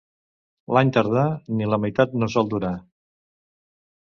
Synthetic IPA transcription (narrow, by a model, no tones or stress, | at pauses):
laɲt̪əɾð̞aniləməjt̪at̪̚nosɔlˠd̪uɾa